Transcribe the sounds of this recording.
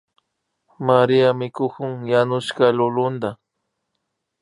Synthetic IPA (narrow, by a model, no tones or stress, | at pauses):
maɾiamɪkʊkʊŋjanʊʃkalʊlʊnd̪a